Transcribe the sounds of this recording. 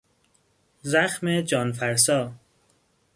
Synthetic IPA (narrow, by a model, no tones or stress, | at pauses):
zæxmed͡ʒɒːnfæɾsɒː